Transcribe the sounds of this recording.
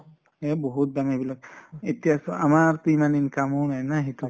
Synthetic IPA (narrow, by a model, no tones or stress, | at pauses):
ebɔɦut̚damebilak̚etijasɔamaɹpimaninkamunajnaɦitu